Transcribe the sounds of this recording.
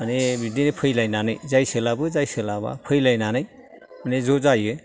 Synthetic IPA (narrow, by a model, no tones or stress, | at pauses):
manebidinepʰɯjlajnanɯjzajsɯlabɯzajsɯlaba̰pʰɯjlajnanɯj | manezozajɯ